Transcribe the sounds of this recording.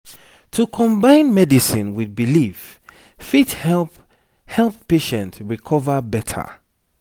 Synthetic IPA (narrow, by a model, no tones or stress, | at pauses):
tʰukʰɔ̃mbãɪ̃nmɛdisĩnwiðbilif | fithɛ | hɛlˠppːeʃɛ̃ntɹikʰɔvəbɛtʰə̰